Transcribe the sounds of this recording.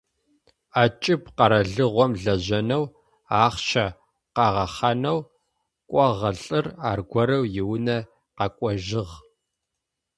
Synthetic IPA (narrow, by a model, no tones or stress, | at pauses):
aːt͡ʃʼɪpqɐɾɐɮɨʁʷɔmɮɐʑɐnɐw | aːχʃɐ | qɑʁɐχɐnɐw | kʷʼɔʁɐɬʼɨraːrɡʷɔɾɐwjɪwnɐ | qɑkʷʼɔʒɪʁ